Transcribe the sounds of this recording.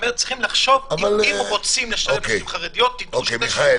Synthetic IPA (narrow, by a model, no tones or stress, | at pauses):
meʁtt͡siχimlaχʃovavalimʁot͡simleʃaokeχaʁed̪ijot̪̚ːid̪okeiχae